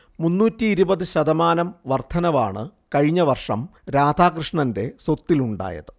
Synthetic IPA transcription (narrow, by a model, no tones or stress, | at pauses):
munːuːtːiːɾubɐðɨɕɐðɐmaːnɐmʋɐrt̪ʰɐnɐʋa̰ːɳɨkɐɻiɲːɐʋɐrʂɐ̰mɾaːd̪ʱaːkrɨʂɳɐnde̞so̞t̪ːiluɳɖa̰ːjɐ̰ðɨ